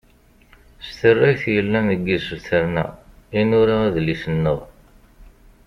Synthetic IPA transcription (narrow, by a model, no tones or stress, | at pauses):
st̪ərːæjθjəlːænəɡːisəlθəɾnæ̰inʊɾaæðlisənːəʁ